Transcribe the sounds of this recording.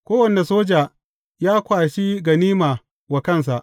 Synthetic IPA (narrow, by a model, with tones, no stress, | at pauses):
kʷoː˦wɐ˨nːe˨soː˦d͡ʒaː˨ | jaː˦kʷaː˨ʃi˦ɡɐ˨niː˦maː˨ | wa˨kɐ˦˨ns̬a˨ʔ